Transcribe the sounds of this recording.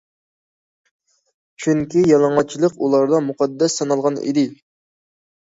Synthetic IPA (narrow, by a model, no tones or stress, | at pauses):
t͡ʃʰyŋkʲijɑlˠɑɴɑt͡ʃʰilˠəqulˠɑɾd̪ɑmuqʰɑd̪ːɛsːɑnɑlˠʁɑnḭd̪ɪ